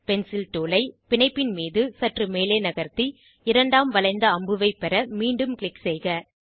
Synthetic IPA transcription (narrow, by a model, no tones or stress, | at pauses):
pɛnsɪlt̪oːlɐɪpɪnɐɪpːɪnmiːðɯsɐʈrɯmeːleːnɐɣɐɾt̪i | ɪɾɐɳɖaːmʋɐlɐɪnd̪ɐɐmbɯʋɐɪpɛɾɐmiːɳɖɯmkɭɪksɛɪɣɐ